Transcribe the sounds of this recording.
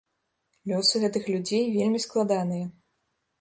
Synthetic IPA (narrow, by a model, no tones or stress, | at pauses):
lʲɔsɨɣɛt̪ɨxlʲud͡zʲejvʲelʲmʲisklˠad̪anɨjɐ